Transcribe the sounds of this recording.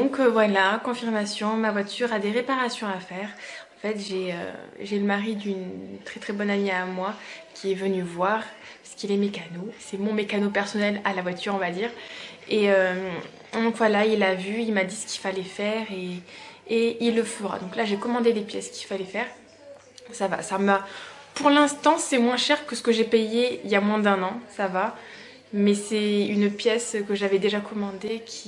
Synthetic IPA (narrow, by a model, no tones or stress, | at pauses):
d̪ɔ̃kvwalakɔ̃fiʁmasjɔ̃mavwat̪yʁad̪eʁepaʁasjɔ̃afɛːʁɑ̃fɛt̪ʒeø̰ʒeləmaʁid̪ynt̪χɛt̪χɛbɔnaneamwakʲiɛvənyvwaʁ | pasə̥kilɛmekanosɛmɔ̃mekanopɛʁsɔnɛlalavwat̪yʁɔ̃vad̪iːʁeøm | d̪ɔ̃kvwalailavyilmad̪isə̥kʲi̥lfalɛfɛʁeː | ilːəfəʁa̰d̪ɔ̃klaʒekɔmɑ̃d̪elepjɛsə̥kʲi̥lfalɛfɛːʁ | sava̰samapuʁlɛ̃st̪ɑ̃sɛmwɛ̃ʃɛʁkəsə̥kəʒepejeiljamwɛ̃d̪ɛ̃nɑ̃sava | mɛsɛynpjɛskəʒavɛd̪eʒakʰɔmɑ̃d̪ekʲʰi̥